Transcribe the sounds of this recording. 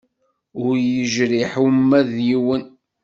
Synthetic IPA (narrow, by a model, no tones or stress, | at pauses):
ʊɾjəʒɾiħəmːæðjiwən